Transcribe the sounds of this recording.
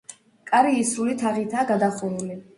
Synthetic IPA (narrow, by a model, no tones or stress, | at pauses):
kʼaɾiːsɾulit̪ʰaʁit̪ʰaːɡad̪aχuɾuli